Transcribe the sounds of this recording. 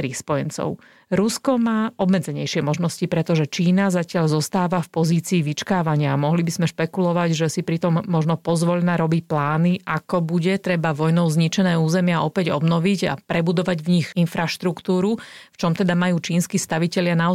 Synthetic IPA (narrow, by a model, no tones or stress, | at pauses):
ɾixspɔjɛnt͡sɔ̰ʊ | ɾuskɔmaːɔbmɛd͡zɛɲɛjʃɪɛmɔʒnɔscipɾɛt̪ɔʒɛt͡ʃiːnazacɪaʎzɔst̪aːʋafpɔziːt͡siːʋit͡ʃkaːʋaɲɪamɔɦlibizmɛʃpɛkulɔʋaɟʒɛsipɾit̪ɔmːɔʒnɔpɔzʋɔʎnaɾɔbicplaːniʔakɔbuɟɛt̪ɾɛbaʋɔjnɔʊzɲit͡ʃɛnɛːuːzɛmɪaʔɔpɛɟɔbnɔʋiɟa̰pɾɛbud̪ɔʋaɟvɲixinfɾaʃt̪ɾukt̪uːɾuft͡ʃɔmt̪ɛd̪amajuːt͡ʃiːnskist̪aʋicɛʎɪanaɔ